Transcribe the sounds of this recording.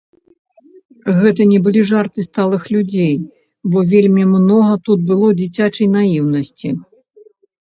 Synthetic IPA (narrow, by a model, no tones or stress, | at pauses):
ɣɛt̪ɐnʲɛbɨlʲiʐart̪ɨst̪alˠɨxlʲud͡zʲej | bɔvʲelʲmʲimnɔɣɐt̪ut̪̚bɨlˠɔwd͡zʲit͡sʲat͡ʂɐjnajiwnɐsʲt͡sʲi